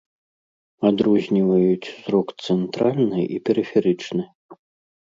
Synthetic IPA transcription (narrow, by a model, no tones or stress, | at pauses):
ad̪ɾɔzʲnʲivɐjut͡sʲsɾɔkt̪sɛnt̪ɾalʲnɨʔipʲɛɾɨfʲɛɾɨt͡ʂnɨ